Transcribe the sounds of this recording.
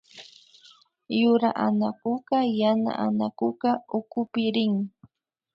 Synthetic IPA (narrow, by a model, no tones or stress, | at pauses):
jʊɾa̰ʔanakʊqɑjana̰ʔanakʊqɑʊkʊpɪɾɪŋ